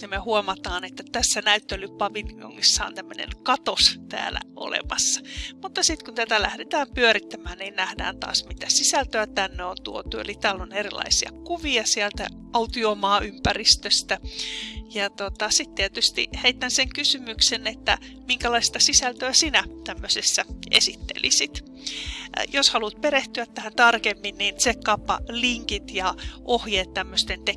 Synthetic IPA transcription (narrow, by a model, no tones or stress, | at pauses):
nimehuomɑt̪ɑːnet̪ːæt̪æsːænæyt̪ːelːypɑʋinio̰ŋːisːɑo̰nt̪æmːønḛnkɑt̪ost̪æ̰ːlæ̰ʔo̰lḛmɑsːɑ̥mut̪ːɑsit̪kunt̪æt̪ælæhdet̪æːmpyøɾit̪ːæmæːnniːnnæhdæ̰ːnt̪ɑ̰ːsmit̪æsisælt̪øæt̪ænːeont̪uot̪uḛlit̪æːlːonerilɑ̰isiɑ̰kuʋiɑsiælt̪æ̰ | ʔɑut̪iomɑːʔympærist̪øst̪æ | jɑt̪ot̪ɑsit̪tiæt̪yst̪ḭheit̪ːænseŋkysymyksenet̪ːæ̰ | miŋkælɑist̪ɑsisælt̪øæsinæt̪æmːøsesːæḛsit̪ːḛlʔḭsit̪ | joshɑlut̪̚peɾeht̪yæt̪t̪ːæhænt̪ɑrkemːinninsekkɑpːɑ̰liŋkit̪jɑʔohjeːt̪tæmːøst̪ent̪e